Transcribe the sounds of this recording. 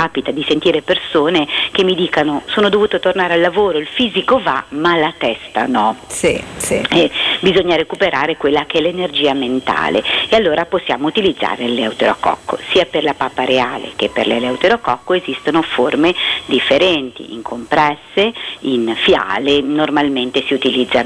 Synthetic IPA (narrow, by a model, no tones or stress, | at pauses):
aːpit̪ad̪isent̪iːɾepersoːnekemːid̪iːkanosoːnod̪ovuːt̪ot̪ornaːɾealːavoːɾoilfiːzikova̰malat̪ɛst̪a̰nɔsisɛbizoɲːaɾekupeɾaːɾekwelːakeɛlːenerd͡ʒiːament̪a̰ːlḛealːoːɾaposːjaːmout̪ilid̪zːa̰ːɾeleawt̪eɾo̰a̰kɔ̰kːo̰siːaperlapaːpːaɾeaːlḛkepːḛrlelawt̪eɾokɔkːoezist̪onoformed̪ifːeɾɛnt̪ḭḭŋkʰompɾɛsːeinfja̰ːlenːormalment̪esiut̪ilid̪zːa